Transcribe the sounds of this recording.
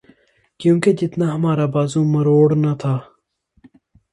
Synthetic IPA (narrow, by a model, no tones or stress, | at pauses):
kjũːked͡ʒɪt̪naɦɐmaːɾabaːzũːmɐɾoːɽnɐt̪ʰaː